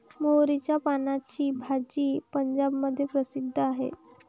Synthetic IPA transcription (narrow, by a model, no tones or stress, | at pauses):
mowɾit͡ɕjapanat͡ɕiːbʱad͡ʑiːpəɲd͡ʑabməd̪ʱːjepɾəsid̪ʱːəaɦḛ